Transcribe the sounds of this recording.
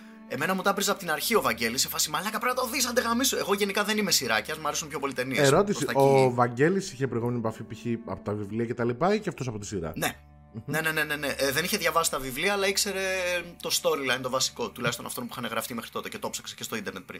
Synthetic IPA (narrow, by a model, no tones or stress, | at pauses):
e̞me̞nɐmut̪ɐbɾizɐpot̪inɐɾçio̞vɐɲɟe̞lisefɐsimɐlinɐkɐpeɾnɐt̪ɐoðiisɐnd̪eɣɐmisoe̞ɣo̞ʝe̞nikɐðe̞nime̞siɾɐcɐzmɐɾesumpço̞po̞lit̪e̞nieɾo̞t̪isiɐovɐɲɟe̞lisiçepɾoiɣumeniepɐfipiçiɐpot̪ɐvivliɐcet̪ɐlipɐiceft̪o̞sɐpo̞t̪isiɾɐ̰ne̞ | ne̞ne̞ne̞ne̞neʔðe̞niçe̞ðʝɐvɐsi̥st̪ɐvivliɐːlɐikse̞ɾe̞t̪o̞st̪o̞ɾilɐðint̪o̞vɐsi̥ko̞t̪ulɐist̪o̞nɐft̪o̞nmpui̥xɐneɣɾɐft̪imexɾit̪o̞t̪e̞ce̞t̪o̞psɐ̥kse̥cest̪o̞ind̪e̞ɾnet̪̚pɾḭn